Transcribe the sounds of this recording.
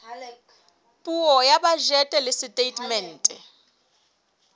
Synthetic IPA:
pʼuɔjabaʒɛtʼɛlɪsɪtʼetʼmɛn̩ːtʼɛ

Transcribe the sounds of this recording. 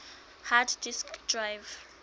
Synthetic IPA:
haddiskdɹajv

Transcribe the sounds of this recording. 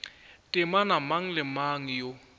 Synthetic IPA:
tʼɪmanamaŋ̩lɪmaŋ̩jo

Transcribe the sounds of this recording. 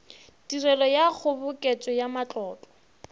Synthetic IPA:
dirɛlɔjak͡xʰʊbʊkʼet͡sʼɔjamat͡ɬʼɔːtʼɔ

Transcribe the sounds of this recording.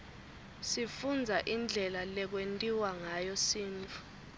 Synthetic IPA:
sifund͡zʱaʔind͡ɮʱɛlalɛk̬wentʼiwaŋajɔsiːnt͡fʰu̥

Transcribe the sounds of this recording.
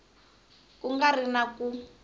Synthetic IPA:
kuŋɡarinaku

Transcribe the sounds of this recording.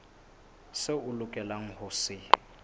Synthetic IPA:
sɪʊlʊkʼɛlaŋ̩hʊsɪ

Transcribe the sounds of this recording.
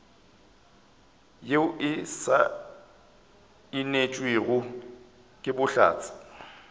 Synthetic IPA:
jeʊʔɪsa | ɪnet͡ʃʼweɣʊ | kʼɪbʊɬa̰ːt͡sʼɪ̥

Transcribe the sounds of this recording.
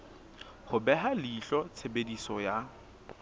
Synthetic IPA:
hʊbɛɦalɪːɬɔt͡sʰebedisɔja

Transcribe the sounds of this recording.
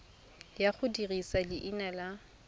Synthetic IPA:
jaχʰʊdirisalɪʔinala

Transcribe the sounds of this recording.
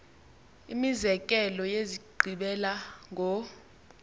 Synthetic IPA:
imizɛkʼɛlɔjeziǃʱiɓɛlaŋʱɔ

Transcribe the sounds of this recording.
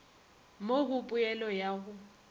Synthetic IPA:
moɣʊpʼʊɛlɔjaːɣʊ

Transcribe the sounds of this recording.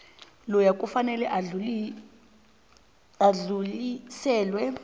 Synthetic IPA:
lɔjakʼufanɛlɛʔau | aɮulisɛːlwɛ

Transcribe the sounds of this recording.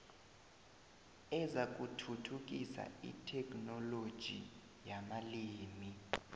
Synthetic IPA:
ɛzak̬ʼutʰutʰuk̬ʼisa̰ḭtʰɛk̬ʼnɔlod̥ʒ̥ʱḭ | jamaliːmi

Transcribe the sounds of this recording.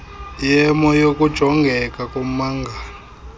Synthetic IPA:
jɛmɔjokʼud̥ʒ̥ʱɔŋɡʱɛkʼakʼom̩maːŋɡʱa

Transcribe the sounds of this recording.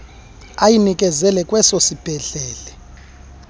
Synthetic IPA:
ajinikʼɛzɛlɛkʼwɛsosib̥ʱɛɮɛːlɛ

